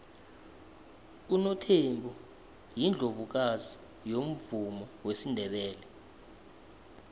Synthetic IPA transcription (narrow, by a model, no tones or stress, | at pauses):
unɔtʰembʱu | jind͡ɮʱovuk̬azi | jom̩vumɔwesindʱɛɓɛːlɛ